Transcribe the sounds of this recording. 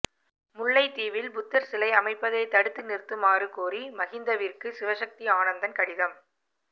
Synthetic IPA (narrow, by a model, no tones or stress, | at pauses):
mʊɭːɐɪt̪iːʋɪlbʊt̪ːɐɾsɪlɐɪɐmɐɪpːɐðeːt̪ɐɽɯt̪ːɯnɪrt̪ːɯmaːrɯkoːrimɐɣɪnd̪ɐʋɪrkɯsɪʋɐʂɐk̚t̪iaːnɐnd̪ɐnkɐɽɪðɐm